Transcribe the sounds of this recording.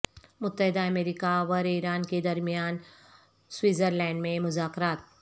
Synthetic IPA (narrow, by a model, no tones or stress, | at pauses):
mʊt̪ːəɦɪd̪aɐmeːɾiːkaʋɔɾiːɾaːnked̪ɐɾmijaːn | swiːzəɾlɛ̃ːɳɖmẽmʊzaːkɾaːt̪̚